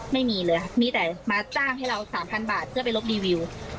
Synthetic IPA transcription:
ma˥˩jmiː˧lɤː˧jkʰa˦˥˩miː˧t̪ɛː˨˩maː˧t͡ɕaː˥˩ŋɦa˥˩jɾa˧wsaː˩˦mpʰa˧nbaː˨˩t̪̚ʰɯ˥˩ɐpa˧jlo˦˥p̚diː˧wi˧w

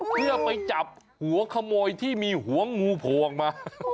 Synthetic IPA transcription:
pʰɯ˥˩əpa˧jt͡ɕa˨˩p̚ | hu˩˦ɐkʰa˧moː˧jt̪ʰiː˥˩miː˧ɦu˨˩˦ɐŋuː˧pʰoː˨˩ŋmaː˧

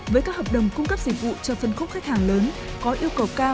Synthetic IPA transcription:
vəː˨˦jkaː˦˥k̚həː˨˩ɗə˨˩wŋ͡mkʊ˧ŋ͡mkə˦˥p̚zḭ˧˩vṵ˧˨t͡ɕəː˧˩fə˨˩nxə˧˥wŋ͡mxa˦˥k̟̚haː˨˩ŋləː˨˦nkɔ˨˦ʔi˧əwkə˨˩wkaː˧

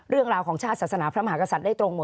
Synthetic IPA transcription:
ɾɯ˥˩əŋɾaː˧wkʰɔː˩˦ŋt͡ɕʰaː˥˩t̪̚saː˨˩sa˧naː˩˦pʰɾa˦˥ma˧aː˩˦˥ka˧sa˨˩t̪̚daː˥˩jt̪ɾo˧ŋmo˨˩

